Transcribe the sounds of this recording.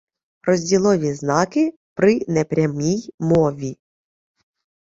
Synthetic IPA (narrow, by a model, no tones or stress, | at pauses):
rɔzʲdʲilˠɔʋʲiznɑkɪ | pɾɪnɛpɾʲamʲijmɔʋʲi